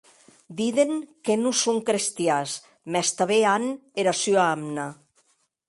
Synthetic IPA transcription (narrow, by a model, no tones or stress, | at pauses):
d̪iðeŋkenusoŋkɾest̪jas | mɛst̪aβeaneɾasyaamna